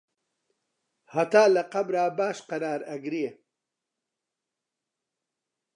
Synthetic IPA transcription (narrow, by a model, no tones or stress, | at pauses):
hɐt̪aːlɐqɐbɾaːbaːʃqɐɾaːɾɐɡɾie